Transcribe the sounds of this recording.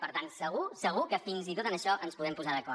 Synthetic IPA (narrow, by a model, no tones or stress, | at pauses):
pəɾt̪ansəɣ̞usəɣ̞ukəfinzit̪ot̪ənəʃɔʔənspuðɛmpuzaðəkɔɾ